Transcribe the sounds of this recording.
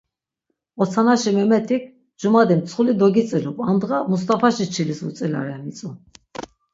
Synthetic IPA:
ɔt̪sʰanaʃimɛmɛt̪ʰikʰ | d͡ʒumad̪imsʰχulid̪ɔɡit̪t͡s̪ʼilupʼand̪ʁamus̬t̪ʼapʰaʃit͡ʃʰilisṵt̪sʼila̰ɾɛmit̪t͡s̪ʼu

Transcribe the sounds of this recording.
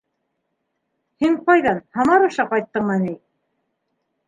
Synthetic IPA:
hiɴqɑjðɑnhɑmɑɾɤ̆ʃɑqɑjt̪ːɤɴmɑnij

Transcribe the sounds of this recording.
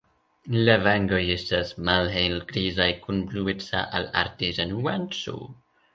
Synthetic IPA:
lavaŋɡojistasmalɦejlɡɾizajkʰunbluɪt͡sa̰ʔala̰ɾtizanwansṵ

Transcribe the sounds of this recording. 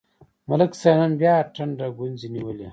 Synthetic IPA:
mɐləksananbjaːʈʰɐɳɖaɡunziniwəle

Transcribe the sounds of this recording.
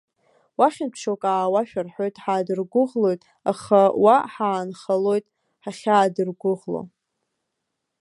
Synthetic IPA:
waχʲɪnpʰʃokʼaːwaʃᶣarħo̞jtʼħaːdɨrɡʷʊʁlo̞jtʼ | aχawaħaːnχalo̞jtʼ | ħaχʲaːdɨrɡʷʊʁlo̰

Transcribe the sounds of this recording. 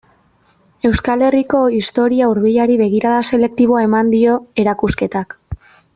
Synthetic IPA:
e̞wskale̞riko̞ist̪o̞ɾiauɾβiʎaɾiβe̞ɣiɾaðase̞le̞k̚t̪iβ̞o̞ae̞mand̪io̞e̞ɾakuske̞t̪ak

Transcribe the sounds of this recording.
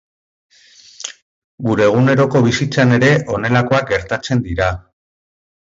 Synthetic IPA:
ɡuɾe̞ːɣ̞une̞ɾo̞ko̞β̞isit͡sane̞ɾe̞ʔo̞ne̞lako̞ak̚ɡe̞ɾt̪at͡se̞nd̪iɾa

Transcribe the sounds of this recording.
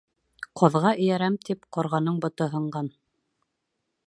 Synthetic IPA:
qʰŏðʁɑɘ̆jæɾæmt̪ipqŏɾʁɑnɤɴbŏt̪ɤɦɤ̆ɴɢɑn

